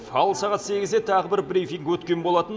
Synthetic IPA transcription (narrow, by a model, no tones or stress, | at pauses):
fɑlˠsɑʁɑt̪se̞ɡʲɪzd̪et̪ʰɑʁəbɪɾbɾijfiŋkwɵt̪kʲe̞nbo̞lˠɑt̪ən